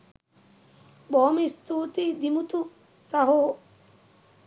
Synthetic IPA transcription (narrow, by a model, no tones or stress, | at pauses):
boːmist̪uːt̪id̪imut̪u | sɐɦoː